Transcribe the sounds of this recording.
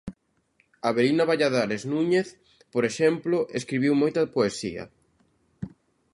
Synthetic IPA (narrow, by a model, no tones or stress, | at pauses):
aβeɾinɐβaʎaðaɾeznũɲeθ | poɾeʃɛmplʊʔeskɾiβiwmojt̪ɐpoesḭɐ̰